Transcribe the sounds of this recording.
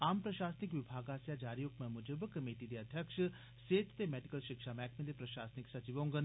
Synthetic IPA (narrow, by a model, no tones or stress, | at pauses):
aːmpɾəʃaːsnikʋibʱaːɡaːsjad͡ʒaːɾijokmɐ̃mud͡ʒəbkəmeːʈit̪iɐd̪ʱjəkʂə | seːt̪ʰt̪emɛːɖikəlʃɪkʂamɛkʰmend̪ipɾɐʃaːsniksɐt͡ʃiʋõːŋɡən